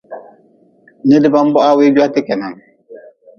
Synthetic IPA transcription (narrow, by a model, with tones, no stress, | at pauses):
nɪ˦dɪ˦ba˦m˦bɔ˦ʔa˦wɪ˦d͡ʒu˦a˦tɪ˦kɛ˨na˨ŋ